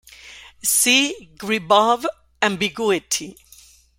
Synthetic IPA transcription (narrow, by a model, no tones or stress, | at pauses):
siɡɹibav | ãmbiɡuɪtʰi